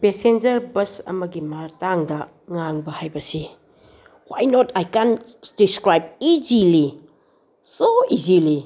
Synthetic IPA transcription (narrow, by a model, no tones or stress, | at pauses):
pesend͡ʒɐɾbɐsɐ̰mɐɡimaɾtaŋdɐ | ŋaŋbɐhajbɐsi | wajnotʰajkand̥iskɾajb̚izili | soizili